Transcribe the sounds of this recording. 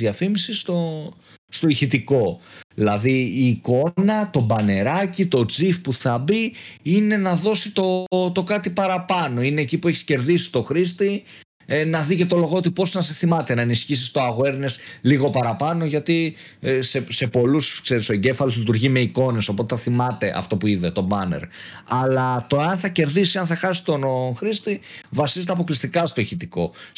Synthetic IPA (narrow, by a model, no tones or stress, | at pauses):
ɐfimisist̪o̞ | st̪o̞içit̪iko̞ðilɐðiːko̞nɐt̪o̞bɐne̞ɾɐcit̪o̞d͡zifpuθɐbiine̞nɐðo̞sit̪o̞t̪o̞kɐt̪ipɐɾɐpɐno̞ineːcipue̞çi̥sce̞ɾðisi̥t̪o̞xɾist̪i | nɐðice̞t̪o̞lo̞ɣot̪ipo̞znɐseθimɐt̪e̞nɐenisçis̬ist̪oɐɣoe̞ɾne̞sliɣo̞pɐɾɐpɐno̞ʝɐt̪i | sese̞po̞luskse̞ɾisoeɲɟe̞fɐloslit̪uɾʝime̞iko̞ne̞so̞po̞t̪eθɐθimɐt̪e̞ʔɐ̰ft̪o̞puiðe̞t̪o̞bɐnḛɾɐlɐt̪oɐnθɐce̞ɾðisiɐnθɐxɐsist̪o̞nxɾist̪ivɐsizet̪eɐp̬o̞klist̪ikɐst̪o̞çit̪iko̞̰